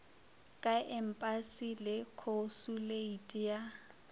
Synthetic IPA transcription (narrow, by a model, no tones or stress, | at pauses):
kʼaʔɛm̩pʼasilɪkʰosuleitʼija